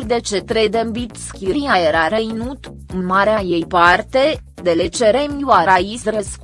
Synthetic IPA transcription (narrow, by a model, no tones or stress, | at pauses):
d̪et͡ʃet̪ɾed̪embit̪skʲiɾiajeɾaɾejnut̪ | ɨnmaɾeajejpart̪ed̪elet͡ʃeɾemjuaɾaisrəsk